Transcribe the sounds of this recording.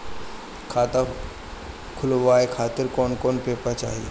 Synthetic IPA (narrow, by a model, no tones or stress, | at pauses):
kʰaːt̪a | kʰʊlʋaːekʰaːt̪ɪɾkɔːnkɔːnpeːpat͡ʃa̰ːɦie